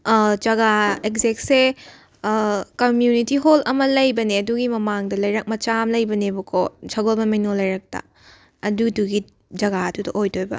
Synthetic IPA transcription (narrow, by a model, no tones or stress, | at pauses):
d͡ʒɐɡaekzek̚se | kɐmjunitiɦolɐmɐlɐjbɐneɐduɡimɐmaŋdɐlɐjɾɐk̚mɐt͡ʃamlɐjbɐnebɐkʰosʰɐɡolbɐmɐjnolɐjɾɐk̚tɐ̰ | ɐduduɡi | d͡ʒɐɡaɐdudɐʔojtʰojbɐ̰